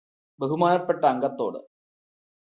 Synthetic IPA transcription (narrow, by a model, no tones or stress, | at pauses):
beɦumaːnɐpːeʈːɐːŋɡɐt̪ːo̞̰ːɽɨ̰